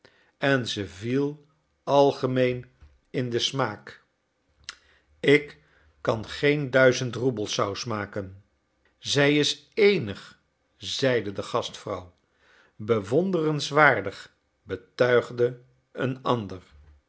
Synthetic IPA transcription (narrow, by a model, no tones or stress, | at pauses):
ɛnzəvilˠ | ɑlˠχəmejn | ɪndəsmaːk | ɪkː | ɑnχejndœɥzəntrubəlˠsɑwsmaːkən | zɛjɪs | ejnəχ | zɛjdədəχɑstfrʌw | bəʋɔndərənsʋaːɹdəχ | bətœɥχdə | ənɑndər